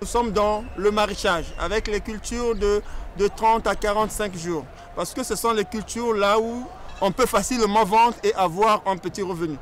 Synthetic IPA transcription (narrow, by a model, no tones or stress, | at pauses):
nusɔmd̪ɑ̃ləmaʁeʃaʒa̰vɛklekylt̪yːʁd̪əd̪ət̪χɑ̃t̪akaʁɑ̃t̪sɛ̃kʒuːʁ | paʁsə̥kəsəsɔ̃lekʲylt̪yːʁlauɔ̃pøfasilmɑ̃vɑ̃t̪χeʔavwaʁɛ̃pət̪iʁəvəny